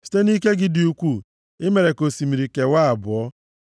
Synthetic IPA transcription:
si̥˨˦te˦ni˦ke˦ɡɪ˦dɪ˨u˨kʷu˦˨ | ɪ˦me˨ɾe˨ko˨si˨mi˨ɾi˨ke˨wa˦a˨bʊ˨ɔ˦

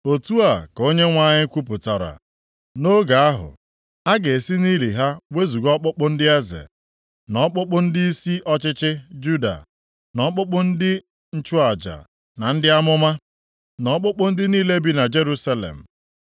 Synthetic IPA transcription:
o˨tu˦a˨ko˦ɲe˦ŋʷa˦˨ɲɪ˦kʷu˦p̬ʊ˨ta˨ɾa̰˨ | no˦ɡa˨a˦ɦʊ̰˨ | a˦ɡe˨si˦niː˦li˨ɦa˦we˦zu˨ɡɔ˦k͡pʊ˦k͡pʊ˦n̩˦dɪ˦e˦zḛ˨ | nɔ˨˦k͡pʊ˦k͡pʊ˦n̩˦dɪ˦i˦si˦ʔɔ˦t͡ʃɪ˦t͡ʃɪ˦d͡ʒu˦da̰˨ | nɔ˦k͡pʊ˦k͡pʊ˦n̩˦dɪ˦ | n̩˦t͡ʃu˦a˨d͡ʒa̰˨ | na˨n̩˦dɪ˦a˦mʊ˦ma˦ | nɔ˨˦k͡pʊ˦k͡pʊ˦n̩˦dɪ˦niː˦le˦bi˦na˨d͡ʒe˦ɾu˦sa˦lḛ˨m̩˨

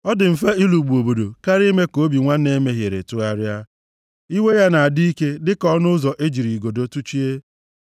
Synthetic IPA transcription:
ɔ˦dɪ˨m̩˨fa˦i˦lu˨ɡ͡bu˨o˨bo˨do˨ka˦ɾi˦me˦ko˨˦bi˨ŋʷa˦ne˦me˦ɦje˨ɾe˨tʊ˦a˦ɾja˦ | i˦we˦ja˦na˨a˨di˦i˦ke˦dɪ˦kɔ˦nʊ˦zɔ˨ʔe˦d͡ʒi˨ɾi˨ɡo˨do˦tu˦t͡ʃi˦e˦

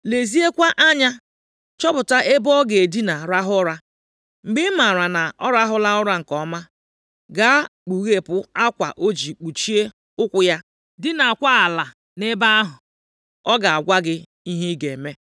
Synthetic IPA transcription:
le˨zi˦e˦kʷa˦ʔa˦ɲa˦ | t͡ʃɔ˦bʊ˨ta˦ʔe˦bɔ˦ɡe˨e˨di˦na˨ɾa˦ɦʊ˦ɾa˦ | ŋ͡m̩˨ɡ͡bɪ˦ma˨ɾa˨na˨ɔ˦ɾa˦ɦʊ˦la˦ʊ˦ɾa˦ŋ̩˨kɔ˨˦ma˦ | ɡa˦k͡pu˨ɣe˦pʊ˦a˦kʷa̰˨ʔo˦d͡ʒi˨k͡pu˨t͡ʃi˦e˦ | ʊ˦kʷʊ˦ja˦ | dɪ˦na˨a˨kʷa˦a˨la˨ | ne˦ba˦a˦ɦʊ˨ | ɔ˦ɡa˨a˨ɡʷa˦ɡɪ˦ | i˦ɦi˦ɡe˨me˦

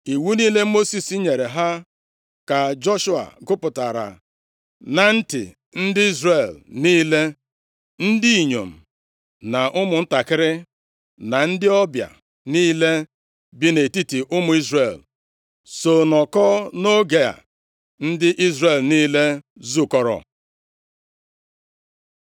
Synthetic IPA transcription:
i˨wu˦niː˦le˦mo˦si˨si˦ɲe˨ɾe˨ɦa˦ | ka˨d͡ʒɔ˦ʃu˦a̰˨ɡʊ˦pʊ˨ta˨ɾa̰˨ | na˨n̩˦tɪ̰˨ | n̩˦dɪ˦i˦zre˨lniː˦le˦ | n̩˦di˦i˨ɲo̰˨m̩˨ | na˨ʔʊ˦mʊ˨n̩˦ta˨kɪ˦ɾɪ˦ | na˨n̩˦dɪ˦ɔ˦bja̰˨ | niː˦le˦ | bi˦ne˨ti˦ti˨ʔʊ˦mʊ˨˦i˦zre˨l | so˨nɔ˨kɔ˦no˦ɡe˨a̰˨ | n̩˦dɪ˦ʔi˦zre˨lniː˦le˦ | zu˦kɔ˦ɾɔ̰˨

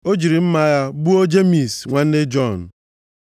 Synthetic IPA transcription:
o˦d͡ʒi˨ɾi˨m̩˦ma˦ja˦bu˦o˦d͡ʒe˦mi˨sŋʷa˨n̩˦dɪ˦d͡ʒɔ˦˨n̩˨

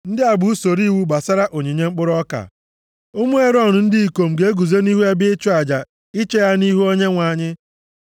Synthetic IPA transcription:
n̩˦dɪ˦a˨ɡ͡bu˨u˦so˨ɾi˦˨wu˦ɡ͡ba˨sa˦ɾa˦ʔo˨ɲi˨ɲe˦ŋ͡m̩˦k͡pʊ˦ɾɔ˦ka̰˨ | o˦mu˦e˦ɾɔ˦˨nʊ˨n̩˦dɪ˦i˨ko˨m̩˨ɡe˨˦e˦ɡu˨ze˦ni˦ɦu˦a˦bɪ˦ɪ˦t͡ʃu˦a˨d͡ʒa˨ | i˦t͡ʃe˦ja˦ni˦ɦu˦o˦ɲe˦ŋʷa˨ɲɪ˦

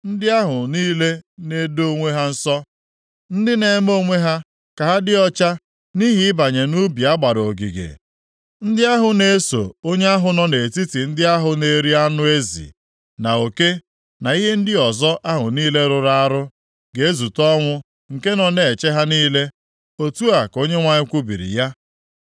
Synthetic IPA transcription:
n̩˦dɪ˦a˦ɦʊ˨niː˦le˦ne˦do˦ŋʷe˦ɦa˦n̩˦sɔ˦ | n̩˦dɪ˦ne˨˦m˦o˦ŋʷe˦ɦa˦ | ka˨ɦa˦dɪ˦ɔ˦t͡ʃa˦ | ni˦ɦi˦ɪ˦ba˨ɲe˨nu˦bi˨a˦ɡ͡ba˨ɾo˨ɡḭ˨ɡḛ˨ | n̩˦dɪ˦a˦ɦʊ˨ne˦so̰˨o˦ɲe˦a˦ɦʊ˨nɔ˦ne˨ti˦ti˨n̩˦dɪ˦a˦ɦʊ˨ne˨˦ɾi˦a˦nʊ˦e˦zḭ˨ | na˨o˨ke˦ | na˨i˦ɦe˦n̩˦dɪ˦ɔ˨zɔ˦ʔa˦ɦʊ˨niː˦le˦ɾʊ˨ɾa˦a˦ɾʊ˦ | ɡe˨e˦zu˨tɔ˦ŋʷʊ˦ | ŋ̩˨ke˦nɔ˨ne˨e˨t͡ʃe˦ɦa˦niː˦le˦ | o˦tu˦a˨ko˦ɲe˦ŋʷa˨ɲɪ˦kʷu˦bḭ˨ɾḭ˨ja˦

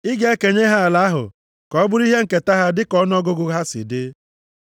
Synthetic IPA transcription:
ɪ˦ɡe˦e˦ke˨ɲe˦ɦa˦a˨la˦a˦ɦʊ̰˨ | kɔ˦bʊ˦ɾi˦ɦe˦ŋ̩˨ke˨ta˦ɦa˦dɪ˦kɔ˦n˦ɔ˦ɡʊ˦ɡʊ˦ɦa˦sɪ̰˨dɪ˦

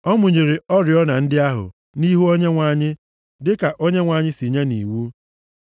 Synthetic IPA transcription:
ɔ˦mʊ˨ɲe˨ɾe˨ɔ˦ɾɪ˨ɔ˦na˨n̩˦dɪ˦a˦ɦʊ̰˨ | ni˦ɦu˦o˦ɲe˦ŋʷa˨ɲɪ˦ | dɪ˦ka˨ʔo˦ɲe˦ŋʷa˨ɲɪ˦si˨ɲe˦nḭ˨wu˦

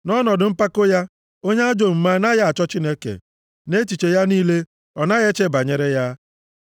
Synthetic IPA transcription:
nɔ˦nɔ˨dʊ˨m̩˦pa˦ko˦ja˦ | o˦ɲe˦a˦d͡ʒo˨m̩˨ma˦na˦ja˦a˨t͡ʃɔ˦t͡ʃi˦ne˦kḛ˨ | ne˦t͡ʃi˨t͡ʃe˨ja˦niː˦le˦ | ɔ˨na˦ɣe˦t͡ʃe˦˨ba˨ɲe˨ɾe˦ja˦

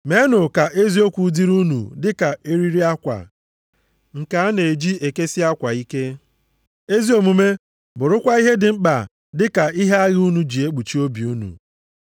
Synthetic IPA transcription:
me˨˦nʊ˨ka˨ʔe˦zi˦o˦kʷu˨˦di˦ɾu˦nṵ˨dɪ˦ka˨e˦ɾi˦ɾi˦a˦kʷa̰˨ | ŋ̩˨ka˨a˦ne˨d͡ʒi˦e˨ke˦si˦a˦kʷa˨i˦ke˦ | e˦zi˦o˨mu˨me˦ | bʊ˨ɾʊ˦kʷa˦i˦ɦe˦dɪ˨ŋ͡m̩˦k͡pa˨ | dɪ˦ka˨i˦ɦe˦a˦ɣɪ˦u˦nu˨d͡ʒi˨e˦k͡pu˨t͡ʃi˦o˦bi˨u˦nṵ˨

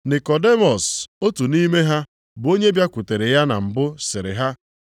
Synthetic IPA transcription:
nɪ˨kɔ˨de˦mɔ˨so˦tu˨niː˦me˦ɦa˦ | bo˦ɲe˦bja˦kʷʊ˨te˨ɾe˨ja˦na˨m̩˨bʊ˦sɪ˨ɾɪ̰˨ɦa˦

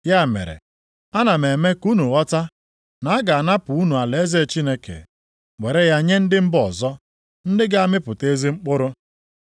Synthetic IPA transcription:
ja˦˨mḛ˨ɾḛ˨ | a˦na˨me˨me˦ku˦nu˨ɣɔ˦ta˦ | na˨a˦ɡa˨a˨na˦pʊ˨u˦nu˨a˨le˨e˦ze˦˨t͡ʃi˦ne˦kḛ˨ | we˨ɾe˦ja˦ɲe˦n̩˦dɪ˦m̩˦bɔ˨zɔ˦ | n̩˦dɪ˦ɡa˦mɪ˦pʊ˨te˦zi˦ŋ͡m̩˦k͡pʊ˦ɾʊ˦

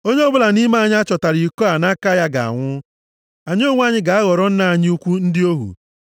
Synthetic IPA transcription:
o˦ɲe˦ɔ˦bʊ˦la˨ni˦ma˦˨ɲ˦a˦t͡ʃɔ˨ta˨ɾi˨kɔ˦a˨na˦ka˦ja˦ɡa̰˨a̰˨ŋʷʊ˦ | a˨ɲ˦o˦ŋʷ˦a˦ɲɪ˦ɡa˨a˦ɣɔ˨ɾɔ˦n̩˦na˦a˨ɲɪ˦u˦kʷu˦n̩˦dɪ˦o˦ɦṵ˨

